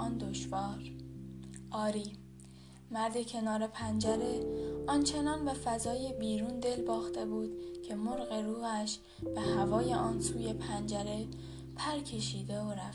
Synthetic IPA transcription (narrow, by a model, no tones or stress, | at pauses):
ɒːnd̪oʃvɒːɾ | ʔɒːɾiː | mæɾd̪ecʰe̞nɒːɾe̞pʰænd͡ʒæɾe̞ɒnt͡ʃʰe̞nɒːnbe̞fæzɒːjebiːɾuːnd̪e̞lbɒːxt̪e̞buːd̪̥cʰe̞moɾɣe̞ɾuːɣæʃ | b̥e̞hævɒːje̞ʔɒːnsuːje̞pʰænd͡ʒæɾe̞ | pʰæɾcʰe̞ʃiːd̪e̞oɾæf